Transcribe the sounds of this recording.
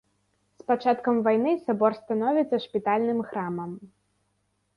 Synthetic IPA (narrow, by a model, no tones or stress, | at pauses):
spat͡ʂat̪kɐmvajnɨsabɔrst̪anɔvʲit̪sːɐʂpʲit̪alʲnɨmxɾamɐm